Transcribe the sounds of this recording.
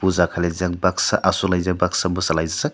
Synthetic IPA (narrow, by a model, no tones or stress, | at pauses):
puzakʰalajzak̚baksaʔasulajzabaksabɯsalajzasa